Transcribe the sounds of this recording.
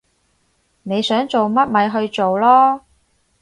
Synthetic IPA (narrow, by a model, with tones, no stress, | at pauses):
ne˨˧jsœː˨˥ŋt͡so˨wmɐ˥t̚mɐ˨˧jɦɵ˧ɥt͡so˨wlɔː˥